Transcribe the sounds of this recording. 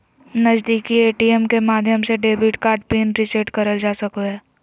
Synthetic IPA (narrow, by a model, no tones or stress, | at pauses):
nəd͡ʒd̪iːkieːʈiɛmkemaːd̪ʱjəmseɖeːbiʈkaːɾɖpeːnɾɪseʈkɐɾəld͡ʒaːsɐkoɦɛː